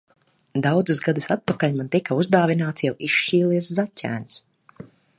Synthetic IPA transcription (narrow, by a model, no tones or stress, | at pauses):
d̪awd̪zusɡad̪usat̪̚pakalʲmant̪ikauzd̪aːvinaːt̪sjawiʃt͡ʃiːlˠiɛszacʲæ̰ːns